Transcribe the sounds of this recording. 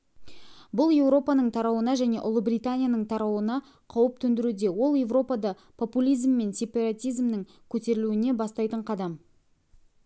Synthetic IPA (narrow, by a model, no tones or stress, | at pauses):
bʊlˠje̞wɾo̞pɑnəɴt̪ʰɑɾɑwənɑʒæne̞̰ʔʊlˠəbɾijt̪anʲijanəɴt̪ʰɑɾɑwənɑ | qʰɑwəp̚t̪ʰɵnd̪ɪɾud̪e̞wo̞lˠje̞vro̞pɑd̪ɑ | pʰo̞pulʲijzmːe̞nsʲe̞pɑɾat̪ijzmnɪŋ | kʲʰɵt̪e̞ɾɪluɪne̞bɑst̪ɑjt̪əɴqʰɑd̪ɑm